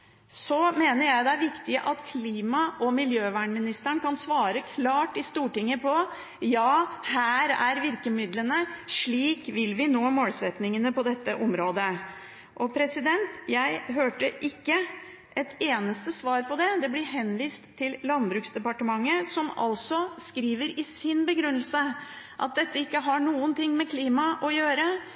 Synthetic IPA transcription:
sɔmeːnəɾjæɪd̪ɛæɾʋɪkt̪ɪəʔɑt̪kʰliːmɑʔɔmɪljøːʋæːɳmɪnɪst̪əɳkɑnsʋɑːɾəkʰlɑːʈɪst̪uːʈɪŋːəpʰɔ | jɑːhæːɾæɾʋɪɾkəmɪd̪lənəʂɭiːkʋɪlʋɪnoːmoːlsɛt̪nɪŋənəpɔd̪ɛt̪ːəʔɔmɾoːd̪ə | ʔɔpʰɾɛsɪd̪ɛnt̪jæɪɦøːʈəʔɪkːə | ʔɛt̪eːnəst̪əsʋɑːɾpʰɔd̪ɛd̪ɛblɪɦɛnʋiːst̪ʰːɪllɑnbɾʉːksd̪ɛpɑʈəmɑŋːəsɔmɑ̰lsɔskɾiːʋəɾɪsɪnbəɡɾʉnːəlsə | ʔɑ̰t̪̚d̪ɛt̪ʰːəɪkːəɦɑɳuːənt̪ɪŋːmɛkʰliːmɑʔɔjøːɾə

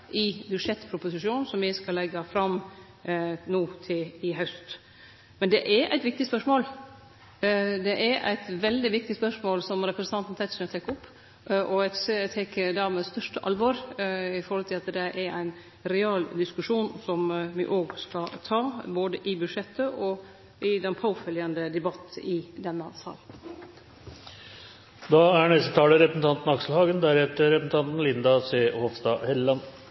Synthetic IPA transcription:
ʔɪbʉd̪ʂɛt̪ːpʰɾʊpʊsɪʂuːnn̩sɔmʋɪskɑlɛɡːɑfɾɑm | nuːt̪ʰɪlɪɦœst̪ | mɛnd̪ɛʔɛɾʔæ̰ɪt̪ʋɪk̚t̪ɪspœʂmoːl | d̪ɛʔæɾæ̰ɪt̪ʋɛld̪ɪʋɪk̚t̪ɪspœʂmoːlsɔmɾɛpɾəsn̩t̪ɑnn̩t̪ʰæɪt̪sət̪ʰɛkːɔpː | ʔɔset̪ʰɛkːəd̪ɑmɛst̪œʂʈəʔɑlʋɔːɾɪfɔɾhɔlt̪ʰɪlɑt̪d̪ɛʔɛɾʔæɪn | ɾɛɑːld̪ɪskʉʂuːnsɔmʋɪ̰ʔoːɡskɑt̪ʰɑːboːd̪əʔɪbʉʂɛt̪ːəʔɔ | ɪd̪ɛnpʰaʊfœljənd̪əd̪ɛbɑt̪ːɪd̪ɛnːəsɑ̰ːln | d̪ɑæɳɛst̪ət̪ʰɑːləɾɛpɾəsn̩t̪ʰɑnt̪n̩ɑkʂl̩hɑːɡənd̪æɾhɛt̪əɾɛpɾsn̩t̪ɑnt̪n̩lɪnd̪ɑseːhɔʋst̪ɑhɛlːɑn

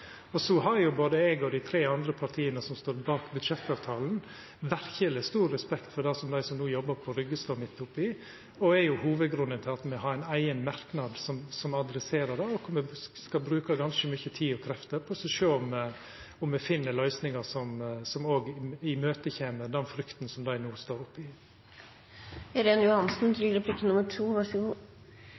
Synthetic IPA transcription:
ɔsɔɦɑɾjʊboːd̪əɛɡɔd̪ɪt̪ʰɾeːɑnd̪ɾəpʰɑɾʈ̪ʰiːənəsɔmst̪oːɾbɑːkbʉd̪ʂɛt̪ːɑːʋt̪ʰɑːln̩ | ʋæɾçələst̪uːɾːɛspɛkt̪fɔɾɖ̪æɪsɔmd̪æɪsɔmnuːjɔbːəɾpʰɔɾʏɡːəst̪ɑmɪt̪ːʊpːɪ | ɔɛɾjʊhuːʋəd̪ɡɾʉnːənt̪ʰɪlɑt̪mɛɦɑɾæɪnæɪənmɑɾknɑd̪sɔmsɔmɑd̪ɾɛseːɾəd̪ɛɔkʰɔmɛskɑbɾʉːkɑɡɑnskəmʏçət̪ʰiːɔkʰɾɛft̪əɾpʰɔsɛʂøːʊm | ʊmɛfɪnːəlœʏsnɪŋɑsɔmsɔmoːɡɪmøːt̪əçeːməɾd̪ɛnfɾʏkt̪n̩sɔmd̪æɪnuːst̪oːɾʊpːɪ | ɾeːnjʊhɑnsn̩d̪ɾɪɾəpʰlɪkːənnʊmːəʈʰuːʋɑs

